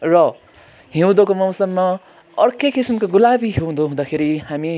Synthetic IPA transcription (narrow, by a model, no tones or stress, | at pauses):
rʌ | ɦew̃d̪okomʌw̃sʌmːʌ | ʌrkekisimkoɡulabiɦew̃d̪oɦũd̪akʰeɾihami